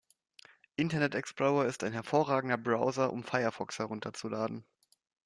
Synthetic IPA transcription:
ʔɪntɐnɛtɛksplɔʊɐɪstaɪnɦɛɐfoːɐʁaːɡŋ̩dɐbʁaʊzɐʔʊ̰mfaɪɐfɔkshɛʁʊntʰɐt͡sulaːdn̩

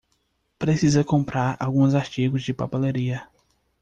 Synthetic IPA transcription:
pɾesizɐkõmpɾaɾa̰wɡũzaɾt͡ʃiɡʊzd͡ʒɪpa̰peleɾiɐ

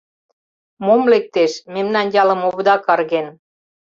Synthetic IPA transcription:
momlek̚t̪eʃmemnɑnjɑlə̆moβd̪ɑkɑrɣen

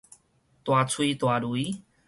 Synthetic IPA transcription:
t̪wat͡suit̪waɾui

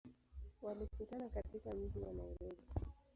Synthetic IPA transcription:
walikutanakatikam̩tiwanaiɾɔɡi

